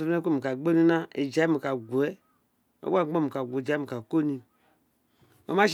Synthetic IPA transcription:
o˨˦e˦ko˦˨mi˨ka˨ɡ͡bo˦i˦nã˦e˨d͡ʒa˨˦i˦mi˨ka˨ɡu˨ɛ˦ | o̰˦a˦o˦˨mi˨ka˨ɡʷo˨d͡ʒa˨˦mi˨ka˨ko˦ni˧ | o̰˨˦ma˦ʃ

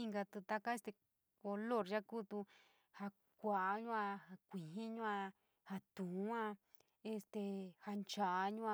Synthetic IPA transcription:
i˧ŋɡa˧t̪u˧t̪a˧ka˦e˦st̪e˧ | ko˧lo˦˨ɾʒa˦ku˦t̪u˧ | ha˧ | kʷa˨ʔɲũ˦ã˧ha˧kʷĩ˨ɦĩ˦ɲũ˦ã˧ | ha˧t̪ũ˨˦ã˦˧ | e˧st̪e˧ha˧nt͡ʃa˨ʔɲũ˦a˧

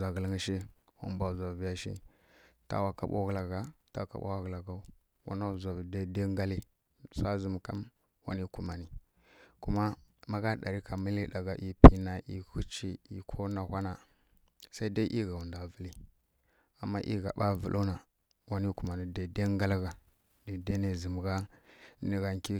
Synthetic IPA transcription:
za˨ɡə˨lŋi˦ʃi˦wa̰˨˦m˦ba˨za˨vi˦ja˦ʃḭ˦ | ta̰˦wa˨ka̰˦ɓa̰˦ɣla˨ɡa˨ta˦˨ka̰˨ɓa̰˦wa˦ɣla˨ɡa˨u˦ | wa̰˦na˦˨za˨vda˦de˦ŋɡa˦li˦ | sa˦zi˦m˨ka˦m | wa̰˨ni˦ku˨ma˨ni˨ | ku˦ma˦ma˦ɡa˦ɗa̰˨ɾi˦ka˨mi˦li˦ɗa˨ɡa˨ʔi˨pi˨na˨ʔi˨ku˦t͡ʃi˦˨i˨kʰo˦na˨hʷa˦na˨ | sa˦i˦da˦ʔi˦ɡa˨wu˨nda˨və˨li˦ | a˨mːa˦ʔḭ˦ɡa̰˨ɓa˦vṵ˨lʔo˦na˨ | wa˨ni˦ku˨ma˨ni˨da˨de˦ŋɡa˦lɣa˨ | di˨de˦ne˨zi˨m˨ɡa˦ni˨ɣa˨ŋki˦

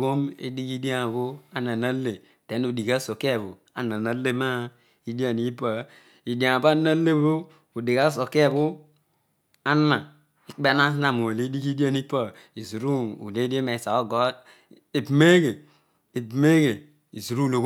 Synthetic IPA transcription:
ɡo˦mḛ˦di˦ki˦di˦a˦˨βo˦a˦na˨na˦le˨ | te˨˦nu˨di˨ka˦so˨ka˨βo˨ | a̰˨na˨na˦le˦ma˦ | i˦di˦a˨ni˦pa˨ | i˨dã˨ba˦na˦le˦bo˦ | u˨di˨ka˦so˨ka˦˨βu˦ | a˦nːa˨ | i˨k͡pe˦na˦sna˨m˨o˨le˦di˦ki˦di˦a˦ni˦pa˦ | i˨zu˨ɾu˦ṵ˨le˦de˦me˨sa˨o˦ɡo˨˦ | e˨bme˦ɡe˨ | e˨bme˦ɡe˨ | i˨zu˨ɾu˦lo˨ɡ

